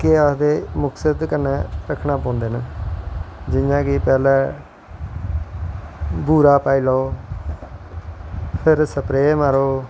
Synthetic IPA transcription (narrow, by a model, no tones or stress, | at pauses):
kɪaːsd̪eːmʊksəd̪kənːɛ̃ːɾəkʰnaːpɔ̃ːnd̪eːnə | d͡ʒɪjãːkipɛːlɛ̃ː | buːɾaːpaːiːlaːoː | pʰɪɾsəpɾeːməɾoː